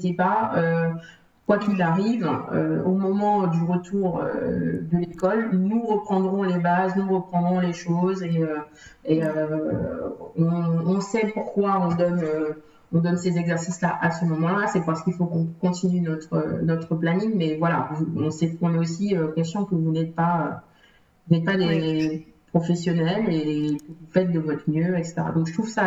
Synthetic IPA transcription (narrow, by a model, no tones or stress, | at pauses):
t̪epaø | kwakilaʁivø̰omɔmɑ̃d̪yʁət̪uʁø̰d̪əlekɔlnuʁəpχɑ̃d̪ʁɔ̃lebaznuʁəpχɑ̃d̪ʁɔ̃leʃozeø | eø | ɔ̃ːsɛpuʁkwaɔ̃d̪ɔnø | ɔ̃d̪ɔnsezɛɡzɛʁsislaʔasəmɔmɑ̃lasɛpaʁsə̥kilfokɔ̃kɔ̃t̪inynɔt̪χə̰nɔt̪χəplaniŋmɛvwala̰vuɔ̃sɛkɔ̃nɛosiøkɛsjɔ̃kəvunɛt̪̚paø | vunɛt̪̚pad̪e | pχɔfɛsjɔnɛlekəvufɛt̪̚d̪əvɔt̪χəmjøɛkse̥t̪eʁa̰d̪ɔ̃kʒ̥ət̪χuvsa